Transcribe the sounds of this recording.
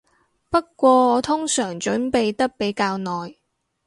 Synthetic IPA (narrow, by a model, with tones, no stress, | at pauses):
pɐ˥t̚kʷɔː˧ɔː˨˧t̪ʰʊ˥ŋsœː˨˩ŋt͡ʃɵ˨˥npe˨jt̪ɐ˥k̚pe˨˥jkaː˧wnɔː˨j